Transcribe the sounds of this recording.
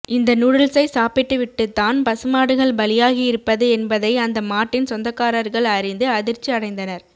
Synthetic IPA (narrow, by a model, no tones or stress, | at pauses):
ʔɪnd̪ɐnʊɽɯɭsɐɪsaːpɪʈːɯʋɪʈːɯt̪ːaːnpɐsɯmaːɽɯɣɐɭbɐlɪjaːɣijɪɾɯpːɐðɯɛnbɐðɐɪɐnd̪ɐmaːʈːɪnsɔnd̪ɐkːaːɾɐɾɣɐɭɐɾɪnd̪ɯɐðɪɾt͡ʃːiɐɽɐɪnd̪ɐnɐɾ